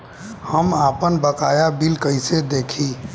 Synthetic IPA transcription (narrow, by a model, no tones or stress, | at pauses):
həmaːpənbəkaːjabilkəɪsed̪eːkʰi